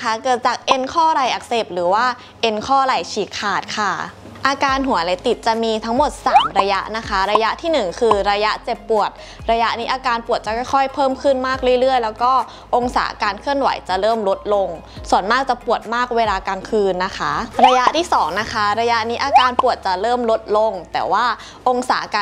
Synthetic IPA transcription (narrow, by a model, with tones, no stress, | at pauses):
kʰa˦˥kɯ˧˩t͡ɕaː˨˩k̚ʔe˧nkʰɔː˥˩ɾa˧˩jʔa˨˩k̚se˨˩p̚ɾɯː˩˦waː˥˩ | ʔe˧nkʰɔː˥˩ɾa˨˩jt͡ɕʰiː˨˩kkʰːaː˨˩t̪̚kʰa˥˩ | ʔaː˧kaː˧nɦu˨˩˦ɐla˨˦jt̪i˨˩t̪̚t͡ɕa˨˩miː˧t̪ʰa˦˥ŋmo˨˩t̪̚saː˩˦mɾa˧ja˦˥ʔna˦˥kʰa˦˥ɾa˧ja˦˥ʔt̪ʰiː˥˩nɯ˨˩ŋkʰɯː˧ɾa˧ja˦˥ʔt͡ɕe˨˩p̚ːu˨˩ət̪̚ | ɾa˧ja˦˥ʔniː˦˥ʔaː˧kaː˧npu˨˩ət̪̚t͡ɕa˨˩kʰɔ˥˩jkʰɔ˥˩jpʰɤː˥˩mkʰɯ˥˩nmaː˥˩k̚ɾɯ˥˩ə˨ɾɯ˥˩əjlɛː˦˥wkɔː˥˩ | ʔo˧ŋsa̰ː˩˦ʔa̰˧kaː˧nkʰɯ˥˩ənwa̰˨˩˦jt͡ɕa˨˩ɾɤː˥˩mlo˦˥t̪̚lo˧ŋ | su˨˩˦ənmaː˥˩k̚t͡ɕa˨˩pu˨˩ət̪̚maː˥˩k̚weː˧laː˧kaː˧nkʰɯː˧nːa˦˥kʰa˦˥ɾa˧ja˦˥ʔt̪ʰiː˥˩sɔː˩˦ŋna˦˥kʰa˦˥ɾa˧ja˦˥ʔniː˦˥ʔaː˧kaː˧npu˨˩ət̪̚t͡ɕa˨˩ɾɤː˥˩mlo˦˥t̪̚lo˧ŋt̪ɛː˨˩waː˥˩ | ʔo˧ŋsaː˩˦ʔa̰˧kaː˧